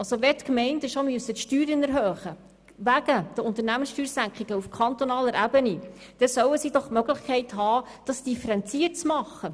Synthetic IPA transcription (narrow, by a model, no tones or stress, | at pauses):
ɑlsoʋɛtkmɛɪntəʃomyəsətʃtyːɾənɛɾɦøːχə | ʋæɡ̥əd̥əʊnt̪əɾnæmənsʃtyːɾsæŋkχiɡəufkʰɑnt̪ɔnɑːləɾʔæbəni | d̥ɛsœwəsid̥ɔχmøɡləχkχɛɪtɦɑː | d̥ɑsd̥ifəɾɛnt͡siət̚t͡smɑχːə